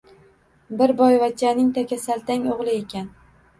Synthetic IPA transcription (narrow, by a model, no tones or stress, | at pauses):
bɪɾbɒjvat͡ʃʰːanɪŋt̪ʰakʲasalt̪aŋʲoʁlˠɪe̞kʲan